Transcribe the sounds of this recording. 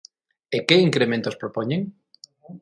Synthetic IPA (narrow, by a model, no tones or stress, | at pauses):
ekeiŋkɾemẽnt̪ospɾopoɲeŋ